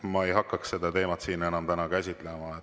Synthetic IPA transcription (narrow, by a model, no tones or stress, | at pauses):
mɑe̞jɦɑkːˑɑksse̞d̪ɑt̪e̞ːmɑt̪siːne̞nɑmt̪ænɑkæsʲit̪ˑlemɑe